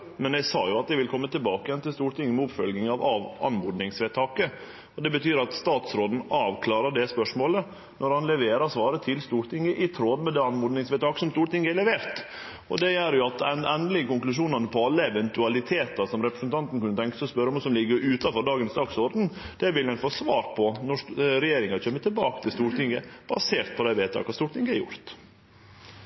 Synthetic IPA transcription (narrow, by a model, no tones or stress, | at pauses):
mɛnæsɑːjʊɑt̪̚d̪ɛʋɪlkʰɔmːət̪ɪlbɑːkəjɛnt̪ɪlst̪uːɾʈ̪ʰɪŋːəmɛʊpfœlɡnɪŋɑʋɑʋɑ̰nmʊd̪nɪŋsʋeːt̪ʰɑːkə | ɔd̪ɛbət̪ʰyːɾɑt̪st̪ɑːt̪sɾoːd̪n̩ɑːʋkʰlɑːɾɑɖɛspœʂmoːlə | nɔɾhɑnlɛʋeːɾɑsʋɑːɾət̪ʰɪlst̪uːɾt̪ɪŋːəʔɪt̪ʰɾoːd̪mɛd̪ɛːɑnmʊd̪nɪŋsʋɛːt̪ʰɑːkə̥sɔmst̪uːɾʈ̪ɪŋːəɛɾlɛʋeːɾt̪ | ɔ̰d̪ɛjæɾjʊɑt̪ɛnd̪əlɪɡəkʊŋklʉʂ̬uːnɑnəpʰɔɑlːəɛʋɛnt̪ʉɑlɪt̪ʰeːt̪ɑsɔmɾɛpɾəsənt̪ʰɑnt̪n̩kʉnːət̪ʰɛŋkə̥sɔspœɾːɔmʋɑsɔmlɪɡːəɾʉːt̪ɑfɔɾɖɑːɡənsd̪ɑːɡsɔɾd̪n̩d̪̥ɛʋɪlːɛɪt̪fɔːsʋɑːɾpʰɔnɔʂɾɛjeːɾɪŋɑçʰømːət̪ʰɪlbɑːkət̪ʰɪlst̪uːɾt̪ɪŋəb̥ɑ̰seːɾt̪̚pʰɔd̪ɛʋeːt̪ʰɑ̰ːkɑst̪uːʈ̪ɪŋɡəɛɾjʊ̰ɾt̪